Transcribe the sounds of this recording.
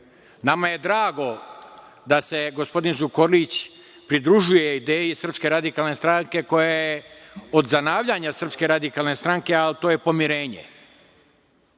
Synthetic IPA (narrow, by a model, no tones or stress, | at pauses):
namaje̞d̪ɾaːɡo̞ | d̪ase̞ɡospo̞d̪inzukoɾlit͡ɕ | pɾid̪ɾuʒujeid̪eːjesr̩pske̞ɾad̪ikalˠnest̪ɾaŋke̞ko̞jajeo̞d̪zanaːʋʎaɲasər̩pske̞ɾad̪ikaːlˠne̞st̪ɾaŋke̞alt̪o̞ːje̞po̞miɾe̞ːɲḛ